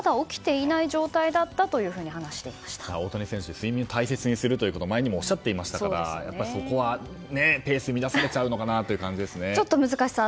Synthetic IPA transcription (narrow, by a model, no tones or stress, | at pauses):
d̪ao̞kʲi̥t̪e̞inaiʑo̞ːt̪aid̪at̪ːat̪o̞jɯ̟ːɸɯ̟ːɲ̟ihanaɕi̥t̪e̞imḁɕi̥t̪ḁao̞ːt̪o̞ɲisẽɕɨd̪esɨimʲĩot̪aise̞t͡sɨɲ̟isɨɾɯ̟t̪oiɯ̟kot̪o̞maeɲ̟imo̞ːɕːat̪ːe̞imaɕi̥t̪aokaɾa̰ja̰pːaɾʲiso̞ko̞βa | nepe̞ːsɨmʲid̪asaɾe̞t͡ɕaɯ̟no̞kanat̪o̞jɯ̟kãɲ̟d͡ʑid̪e̞sɨnet͡ɕo̞t̪ːo̞mɯ̟zɨkaɕi̥sa